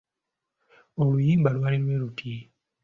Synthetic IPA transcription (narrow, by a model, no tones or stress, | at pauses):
olujiːmbalwaːlilwe̞ːlutʰi